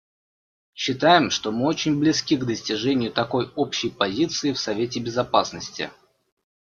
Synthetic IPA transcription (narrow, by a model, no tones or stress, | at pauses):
ɕːɪt̪ajɪmʂt̪omɨot͡ɕɪnʲblʲɪskʲiɡd̪əsʲtʲɪʐɛnʲɪjʊt̪ɐko̞jo̞pɕːɪjpɐzʲit̪sɨɪfsɐvʲet̬ʲɪbʲɪzɐpasnəsʲtʲɪ̰